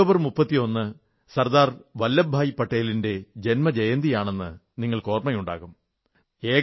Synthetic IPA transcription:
oːbɐrmupːɐt̪ːio̞nːɨ | sɐrd̪aːrʋɐlːɐbʱaːjipːɐʈːeːlinde̞d͡ʑe̞nmɐd͡ʑejɐnd̪ijaːɳe̞nːɨ̰ | niŋːɐɭko̞ːrmɐjuɳɖa̰ːɣum | e̞ː

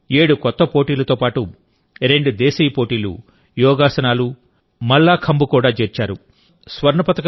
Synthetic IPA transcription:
eːɽukɔt̪ːɐpo̞ːʈiːlɐt̪oːpaːʈu | ɾeɳɖud̪eːsijpoːʈiːlṵ | jɔːɡaːsɐnaːlu | mɐɭːaːkʰɐmbukuːɽaːt͡ʃeːɾt͡ʃaːɾu | sʋɐɾɳɐpɐt̪ɐk

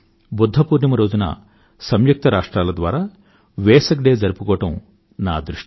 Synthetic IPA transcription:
bud̪ʱːɐpuːɾnɐmɐɾo̞ːd͡ʒunɐ̰ | sɐmjuk̚t̪ɐɾaːʂʈɾaːlɐd̪ʋaːɾaː | ʋɛːsɐkɖeːd͡ʒɐɾupukɔːɐʈɐm | na̰ːd̪ɾuʂ

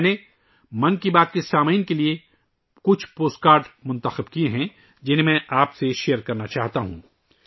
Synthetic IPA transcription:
ne | mɐnkibaːt̪̚kesaːmiːnkelie | kʊt͡ʃʰpoːsʈkaːɾɖmʊ̃nt̪əxɪbkieɦɛ̃ | d͡ʒɪn̤ɦẽmɛ̃ʔaːpseʃejəɾkɐɾnat͡ʃaːɦt̪aɦṵ̃ː

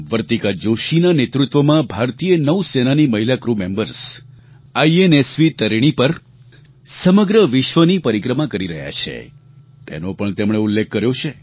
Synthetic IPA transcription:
ʋəɾt̪ikad͡ʒoʃinanet̪ɾut̪ʋəmãbʱaɾt̪ijənəʋsenaniməɦilakɾumembəɾs | aienesʋit̪əɾiɽ̃ipəɾ | səməɡɾəʋɪʃʋənipəɾikɾəmãkəɾiɾəɦja̰t͡ʃʰḛ | t̪ḛnopəɳt̪emɳ̃eulːek̚ʰkːəɾjot͡ʃʰe

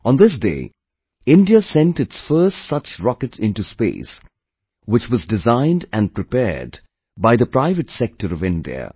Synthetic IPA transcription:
ʔə̃nd̪ɪs̬dḛɪ | ɪ̃ndiəsɛ̃nʈɨtsfɜ˞stsʌt͡ʃɹɑkɨʈʰɪ̃nʈuspḛːs | wɨt͡ʃwʌzdɨzãɪ̃ndɨ̃n̚pɾɨpɛ̰ɹd | baɪðəpɾaɪvɨʈsɛk̚ʈəɾʌvɪ̃ndḭə̰

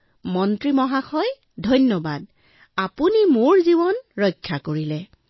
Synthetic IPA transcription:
mɔntɹimɔɦaxɔj | dʱɔjnjɔbad̚ | apunimoɹzibɔnɹɔjkʰːakoɹilɛ

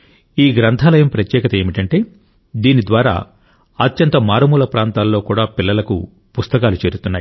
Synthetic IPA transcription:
iːɡɾɐnt̪ʰaːlɐjɐmpɾɐt̪jɛːkɐt̪ɐe̞ːmiʈɐɳʈe̞ː | d̪iːnid̪ʋaːɾa̰ː | ɐt̪jɐnt̪ɐmaːɾɐmuːlɐpɾaːnt̪aːlːo̞ːkuːɽaːpilːɐlɐkṵ | pust̪ɐkaːlut͡ʃe̞ːɾut̪unːaːji

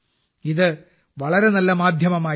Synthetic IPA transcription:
iðɨ | ʋɐɭɐɾe̞nɐlːɐmaːd̪ʱjɐmɐmaː

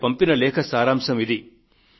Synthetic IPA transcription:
pɐmpinɐlɛːkʰɐsaːɾaːmʂɐmid̪i

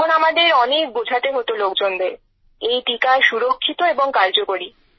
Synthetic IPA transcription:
onamad̪eɾɔnek̚bod͡ʑʱat̪eɦot̪olokd͡ʑond̪eɾ | ejʈikaʃuɾokʰːit̪oeboŋkaɾd͡ʑokoɾi

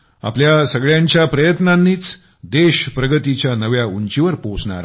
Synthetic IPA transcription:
a̰pljasəɡɭjaɲt͡ɕjapɾəjət̪nanːiːt͡s | d̪eɕpɾəɡət̪it͡ɕjanəʋjauɲt͡ɕiʋəɾposɳa̰ɾ

